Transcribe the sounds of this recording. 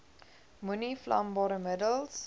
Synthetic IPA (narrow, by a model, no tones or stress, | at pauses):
muniflɐ̰mbɑːɾəmədəlˠs